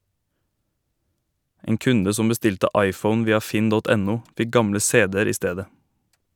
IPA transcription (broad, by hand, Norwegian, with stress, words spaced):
ˈeːŋ ˈkʉndə ˈsɔm bəˈstɪltə ˈɑɪˌfəʊn ˈʋiːɑ ˈfɪn ˈdɔt ˈɛˌnuː ˈfɪ ˈɡɑmlə ˈseːdɛɾ ˈiː ˈsteːdə